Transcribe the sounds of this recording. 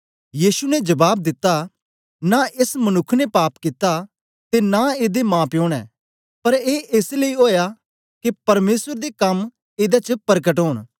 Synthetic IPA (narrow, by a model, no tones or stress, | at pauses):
jiːsunɛd͡ʒɐbaːb̚d̪ɪt̪ːa | naʔeːsmɐnʊkʰːnɛpaːpkɪt̪ːa | t̪enaeːd̪emãːpjõːɽ̃ɛ̰̃ː | pɐɾeːeːsleioːja | kepɐɾmeːsəɾd̪ekɐm | eːd̪at͡ʃəpɐɾk̬əʈɦoːɽ̃